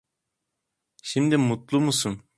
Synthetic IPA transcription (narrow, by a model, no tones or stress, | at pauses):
ʃimd̪ɪmut̪lˠumusum